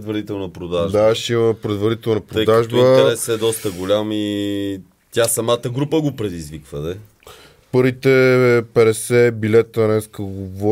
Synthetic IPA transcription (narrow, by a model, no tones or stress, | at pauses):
ɛd̪vɐɾit̪ɛlˠnəpɾod̪aʒd̪aʃt̪ɛimɐpɾɛd̪vɐɾit̪ɛlˠnəpɾoəjd̪aʒb̪əɾɛsɛd̪ɔst̪əɡolʲami | t̪ʲjasɐmat̪əɡɾupəɡopɾɛd̪izvikvəd̪ɛ | pɤɾvit̪ɛpɛɾɛsɛbilɛt̪ɐnɛskəɡovɔ